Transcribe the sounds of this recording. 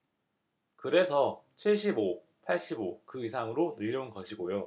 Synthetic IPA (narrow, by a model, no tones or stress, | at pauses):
kɯɾe̞sʰʌt͡ɕʰiɭɕ͈ibo | pʰaɭɕ͈ibokɯis̬ʰaŋɯɾonɯʎjʌunɡʌɕʰiɡojo